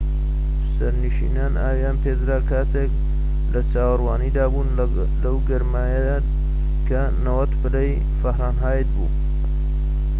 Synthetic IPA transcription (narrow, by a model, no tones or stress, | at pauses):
sɐɾniʃḭnaːnaːwjaːnpʰeːd̪ɾaːkʰaːt̪ʰek | lɐt͡saːwɨɾwaːniːd̪aːbuːn | lɐwɡɐɾmaːjɐa | kʰɐ | nɐwɐt̪pʰɨlej | fɐhɾaːnɦaːjət̪̚bṵː